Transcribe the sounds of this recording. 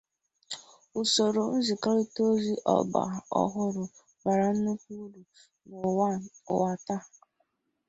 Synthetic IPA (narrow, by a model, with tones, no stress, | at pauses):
ʊ˨so˨ɾo˨n̩˦zi˨ka˦ɾi˦to˦zi˦ʔɔ̰˨ɡ͡ba̰˨ɔ̰˦˨ɦʊ˦ɾʊ˨ | ma˨ɾa˨n̩˦nu˦k̚ʷu˦du˨ | no̰˨˦˨wa˨ta˦